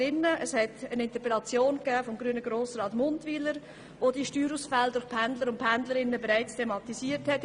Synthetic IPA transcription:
ɪnːəʔəshɛtənɪnt̪əpelɑt͡sjoːnkæːfɔmɡɾyənəɡɾoːsɾɑːtmʊndviləɾ | ʋodiʃtyːɾusfældʊɾχpʰændləɾʊntpʰændləɾɪnːəbeɾæɪt͡stʰemɑt̪isiːəɾthɛt

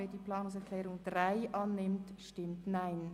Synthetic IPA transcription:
ɛːdiːpʰlɑːnʊŋs̬ɛʁkʰlɛːɾʊŋd̥ʁaɪʔɑːnːɪmtʃtɪmtnaɪn

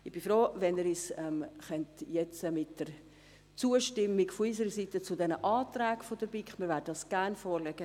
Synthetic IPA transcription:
ɪb̥ifɾoːvɛnəɾisɛmχœntjɛt͡səmɪt̚d̥əɾ | t͡suːəʃtɪmːɪɡfʊis̬əɾəsitət͡sʊdɛnəʔɑːtɾɛːɡfodəɾbikχmiːɾvɛːdədɑsɡ̥ɛɾnfoːɾlɛɡ̥ə

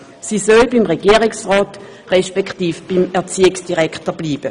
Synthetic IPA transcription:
siːsølbimʁeɡ̥iəʁiksʁɔːt | ʁɛʃpɛkχtiːfb̥imɛɐt͡siːɪksd̥iʁɛkʰtəb̥liːb̥ə

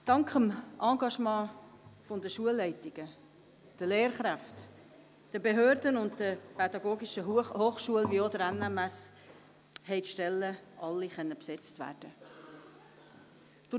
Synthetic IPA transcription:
d̥ɑŋkχəmʔɑ̃ːɡɑʃmɑ̃ːfondəʃuəlːɛɪtɪɡ̥ə | d̥əleːɾχɾæft | d̥əbeɦøːɾdənʊnddəpɛdɑɡoːɡiʃəhoːχʃuəlviodəɾænːɛmæs | hɛɪtʃtɛlːəʔɑlːiχœnːəpsɛt͡stvæ̰ːd̥ə | d̥ʊ

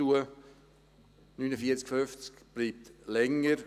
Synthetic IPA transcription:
uə | nyːnəfiət͡skføft͡skb̥liːp̚tlɛŋːəɾ

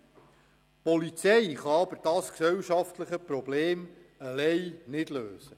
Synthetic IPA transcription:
pɔlit͡sɛjχɑɑbəɾd̥ɑsksɛwʃɑft̪ləχəpɾɔbleːməlɛɪnɪdløːsə

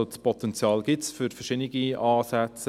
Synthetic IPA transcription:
otspɔt̪ɛnt͡sjɑːlɡɪtsfʏɾfərʃɪdnɪɡiɑːsɛt͡s

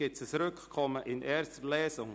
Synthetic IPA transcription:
ɪtsəsɾʏkkʰɔməʔɪnʔɛːɾstəlɛːsʊŋ

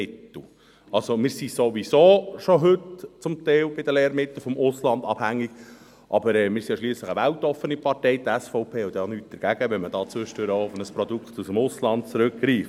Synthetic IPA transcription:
ɪtl̩ | ɑlsomɪːɾsisoʋisoːʃoɦɵtt͡sʊmt̪ɛɪlbɪdəleːɾmɪt̪ːl̩ˠfɔmʊslɑnd̪ɑ̰b̥hæŋːiɡ̥ | ʔɑbəɾɛːmɪːɾsijɑʃliːsləχəʋæltɔfənipɑɾtɛjd̪æsfɔʊpʰeːud̪ɛɑnyːt̚d̥əɾɡ̥æɡ̥əʋɛnməd̥ɑːt͡sʋʏʃtøɾəoʊfnəspɾɔd̪ukχt̪usəmʊslɑnt̚t͡sɾɵkɡɾiːf

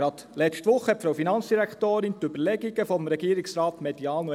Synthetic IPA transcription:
ɑt̪lɛstʋʊχːəpfɾoʊfinɑnt͡sd̥iɾæktoːɾɪnt̪ʏbəlɛɡiɡəfɔmɾɛɡiːɾɪksɾɑːtmɛdiɑːno

